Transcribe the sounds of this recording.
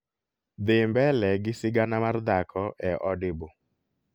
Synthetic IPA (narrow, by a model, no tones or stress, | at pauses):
d̪ɪmbɛlɛɡɪsɪɡanamard̪akʰɔʔɛʔɔdɪbo